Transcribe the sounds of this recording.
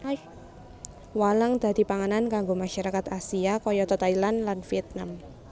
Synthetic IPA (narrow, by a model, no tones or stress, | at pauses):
waləŋd̪̥a̤d̪̥i̤paŋanankaŋɡomaʃaɾakat̪asiakɔjɔt̪ɔt̪ajlanlanfiɛt̪̚nam